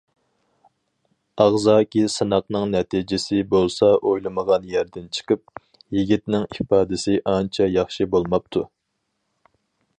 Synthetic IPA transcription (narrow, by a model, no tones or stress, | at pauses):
ɑʁzɑːkʲʰisɨnɑqnɨŋnɛt̪ʰid͡ʒɪsɪbolˠsɑʔojlˠɨməʁɑnjæɾd̪ɪnt͡ʃʰə̥qʰəp̚ | jiɡʲit̪nɪŋipɑːd̪ɪsɪʔɑnt͡ʃʰɛjɑχʃibolˠmɑp̚t̪ʰu